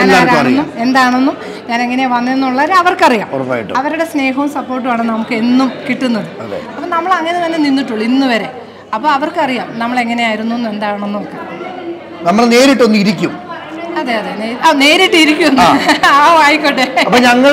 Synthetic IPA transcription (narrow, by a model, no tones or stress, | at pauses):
aːaːɾaɐrnːue̞nd̪aːɳonːu | ɲaːne̞ŋːɐneʋɐnːenːuɭːɐʋɐɾɐʋɐrkɨɐrija̰ːmfa̰ːjḭʈːuɐʋɐɾuɽe̞sne̞ːɦɐumsɐpːo̞ːrʈːuʋaːɳɨnɐmukːɨe̞nːumkiʈːunːɐðɨɐðḛɐɐpːonɐmːɐɭɐŋːɐneʋɐnːeninːiʈːuɭinːuʋɐɾe̞ | ɐpːoːɐʋɐrkɨɐrijaːmnɐmːɐɭe̞ŋːɐne̞aːjiɾunːuonːue̞nd̪aːjɳonːuokːe | nɐmːɐɭne̞ːɾiʈːonːuiɾikʲːum | ɐðeɐðeneɐne̞ːɾiʈːɨiɾikʲːuonːaːʋaːjikːoʈːeɐpːoɲɐŋːɐɭ